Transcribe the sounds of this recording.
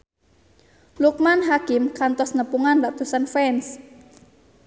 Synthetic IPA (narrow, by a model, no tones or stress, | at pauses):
luk̚manɦakɪmkant̪ɔsnəpuŋandaʔt̪usanfɛns